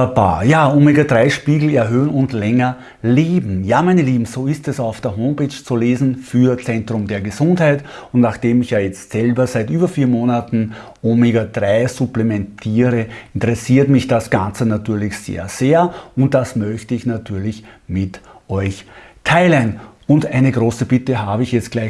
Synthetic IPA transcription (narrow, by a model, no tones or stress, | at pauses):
ba̰ːjaːʔoːmeɡadʁaɪʃpiːɡl̩ɛɐɦøːənʊntlɛŋɐ | leːbm̩jaːmæɪnəliːbm̩zoːɪstɛsaʊfd̥eːɐɦoːmpeːt͡ʃt͡suleːzn̩fyːɐt͡sɛ̃ntʁ̥ʊmdeːɐɡəzʊ̃nthaɪtʊntnaχd̥eːmɪçjaːjɛt͡stsɛlbɐzaɪtʔyːbɐfiːɐmoːnatn̩ | ʔomiɡɐd̥ʁaɪzʊplɛmɛntʰiːʁəɪntəʁɛsiːɐtmɪçd̥asɡ̥ãnt͡sənatyːɐlɪçz̥ḛːɐz̥eːɐʊnt̚d̥asmœçtəɪçnatʰyːɐlɪçmɪtʔɔʏçtʰaɪlənʊndæɪnəɡʁoːsəbɪtəɦaːbəɪçjɛt͡stɡ̥laɪ